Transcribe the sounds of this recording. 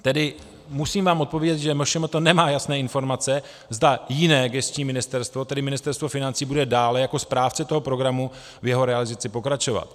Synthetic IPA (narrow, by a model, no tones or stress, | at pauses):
t̪ɛdɪ | musiːmvaːmʔot̪po̞vjɛɟɛt̪ʒɛmoʃɛmat̪onɛmaːjasnɛːɪnfo̞ɾmat͡sɛ | zdajɪnɛːɡɛst͡ʃɲiːmɪnɪst̪ɛɾst̪vo̞t̪ɛdɪmɪnɪst̪ɛɾst̪vo̞fɪnant͡siːbudɛdaːlɛjako̞spɾaːft͡sɛt̪o̞ɦo̞pɾo̞ɡɾamu | vjɛɦo̞ɾɛalɪzat͡sɪpo̞kɾat͡ʃo̞va̰t̪